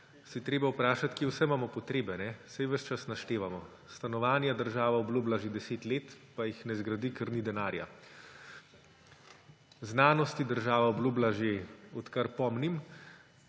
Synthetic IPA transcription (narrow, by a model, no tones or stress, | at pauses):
sit̪ɾeːbawpɾaːʃat̪kewsɛmaːmɔpɔt̪ɾeːbɛnɛsajʋəʃt͡ʃasnaʃt̪eːʋamɔ | st̪anɔʋaːnjad̪əɾʒaːʋaɔblublaʒed̪ɛseːt̪leːt̪pajixnɛzɡɾad̪ikɛɾnid̪ɛnaːɾja̰ | znaːnɔst̪id̪əɾʒaːʋaɔblublaʒeɔt̪kaɾpɔmnim